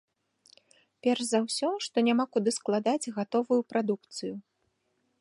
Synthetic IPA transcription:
pʲɛrʂzawsʲɔʂt̪ɔnʲamakud̪ɨsklˠad̪ad͡zʲɣat̪ɔvujupɾad̪ukt̪sɨju

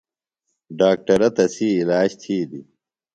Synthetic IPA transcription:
ɖaːk̚ʈɐɾɐt̪ɐsiːlaːd͡ʑt̪ʰiːd̪i

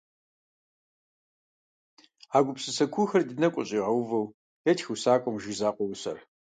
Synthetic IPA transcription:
aːɡʷʊpsɨsɐkʷʰuxɐrdɨnɐkʷʼɔ̰ɕʼiːʁɐwvɐw | jɛtʰxɨwsaːkʷʼɔmʒizaːqʷʼɔwsɐr

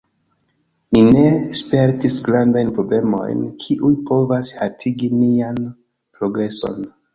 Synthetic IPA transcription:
nine̞spe̞ɾtisɡɾandajnpɾo̞ble̞mo̞̰jnkʰiʔujpo̞vashatʰiɡinian | pɾo̞ɡɾe̞so̞̰n

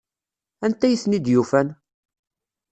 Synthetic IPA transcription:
ænt̪ːæjəθnid̪jufæn

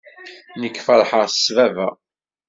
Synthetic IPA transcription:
nəkːfəɾˤħəʁsvævæ

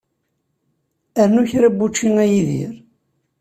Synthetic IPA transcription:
æɾnuçɾæbːut͡ʃːiŋæjiðḭɾ

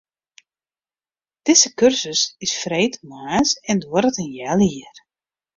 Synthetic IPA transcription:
d̥ɪzəkørsəsɪsfrejtʰmaːsɛndwɔɾətənjɛliər

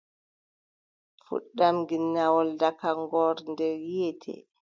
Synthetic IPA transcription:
fṵɗːamɡinːawɔldakaŋɡɔɾndɛɾɛtʰɛ̰

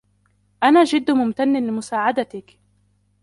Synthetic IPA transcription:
ʔanaːʒɪd̪ːmʊmt̪anːɪlɪmʊsaːʕad̪at̪ɪk

